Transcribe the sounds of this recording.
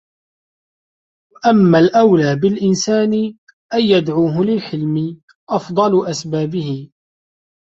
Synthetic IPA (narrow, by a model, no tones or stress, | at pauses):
waʔamːalʔawlaːbɪlʔɪnsaːnɪ | ʔajːad̪ʕuːɦʊlɪlħɪlmɪ | ʔɑfd̪ˤɑlʊʔasbaːbɪhɪ